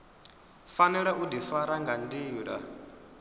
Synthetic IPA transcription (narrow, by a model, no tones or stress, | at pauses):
fanɛɺɛʔudifaɾaŋɡandiːɺa̰